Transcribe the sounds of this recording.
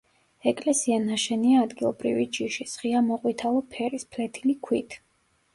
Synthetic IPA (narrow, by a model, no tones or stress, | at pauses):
ɛkʼlɛsianaʃɛniaːd̪ɡilˠɔ̰bɾḭvid͡ʒiʃisχiamɔqʼwit̪ʰalˠɔpʰɛɾispʰlɛt̪ʰilikʰwit̪ʰ